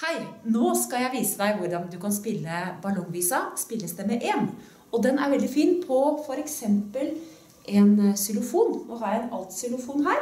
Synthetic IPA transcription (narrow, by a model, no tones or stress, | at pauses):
hæɪnoːskɑljæɪʋiːsəd̪æɪʋʊɾɖɑnd̪ʉkɑnspɪlːəbɑlɔŋʋiːsɑspɪlːəsd̪ɛmɛʔeːn | ɔd̪ɛnæɾʋɛld̪ɪfiːnpʰɔfɔɾɛksɛmpəl | ʔɛnsɪlʊfuːnnɔɦɑɾjæɛnɑlt̪sɪlʊfuːnɦæːɾ